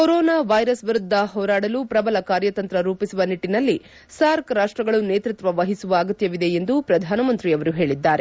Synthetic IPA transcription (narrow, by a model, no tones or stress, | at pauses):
koɾoːnaːʋɐjɾɐsʋiɾud̪ʱːɐɦɔːɾaːɽɐlupɾɐbɐlɐkaːɾjɐt̪ɐnt̪ɾɐɾuːpisuʋɐniʈːinɐlːi | saːɾkɾaːʂʈɾɐɡɐɭuneːt̪ɾit̪ʋɐʋɐɦisuʋɐːɡɐt̪jɐʋid̪e̞end̪upɾɐd̪ʱaːnɐmɐnt̪ɾiɐʋɐɾuɦe̞ːɭid̪ːaːɾe̞